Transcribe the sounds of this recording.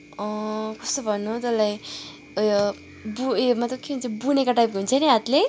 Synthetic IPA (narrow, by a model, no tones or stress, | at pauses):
ʌkʌst̪obʱʌnːut̪ʌlaj | ʌjo | buemat̪ʌkeɦunt͡sʰʌbunekaʈajp̚kɦunt͡sʰʌniɦat̪le